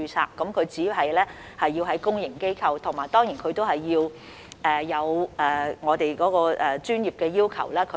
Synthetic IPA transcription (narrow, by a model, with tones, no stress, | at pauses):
yː˧sʰa̰ː˧kːɐ˨˥mkʰɵ˨˧ɥt͡siː˨˥ɦɐ˨jlɛː˥ | hɐ˨jːiː˧wɦɐ˨˥jkʊ˥ŋjɪ˨˩ŋke˥jkʰɐ˧wt̪ʰʊ˨˩ŋmaː˨˩jt̪ɔː˥ŋjiː˨˩nkʰɵ˨˧ɥt̪o˥whɐ˨jːiː˧w | ʔɛː˨jɐ˨˧wʔɛː˨˩ŋɔː˨˧t̪e˨jkɔː˨˥kɔː˧ʔɛː˨t͡ʃyː˥njiː˨˩p̚kɛː˧jiː˥wkʰɐ̰˨˩wlɛː˥kʰɵ˨